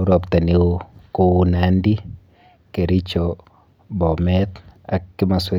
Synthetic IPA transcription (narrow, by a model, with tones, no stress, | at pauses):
ɾɔ˨pt̪a˨ne˦o˦ko˦u˦nandi˦ | ke˨ɾi˦t͡ʃo | bɔ˨mɛt̪a˨kːɪ˦ma˨swɛ˦